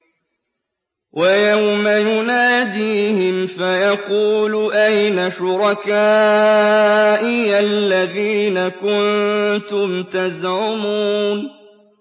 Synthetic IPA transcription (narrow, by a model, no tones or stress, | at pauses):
wʔajawmajʊnaːd̪iːhɪmfajɑquːlʔajnaʃʊɾˤɑkaː | ʔɪʔalːaðiːnakʊnt̪ʊmt̪azʕʊmuːn